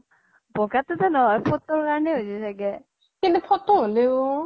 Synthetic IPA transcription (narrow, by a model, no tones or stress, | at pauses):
bɔɡatɔtanɔɦɔjpʰɔtːɔɹkaɹɔnɛɦojzisaɡɛ | kintupʰɔtːɔɦoleo